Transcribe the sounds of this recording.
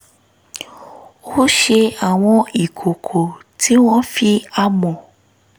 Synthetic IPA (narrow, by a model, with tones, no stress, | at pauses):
o˦ho˦ʃe˧a˨w̃ɔ̃˧i˨kʰo˨kʰo˨tʰi˨˦w̃ɔ̃˦fi˦a˧mɔ̃˨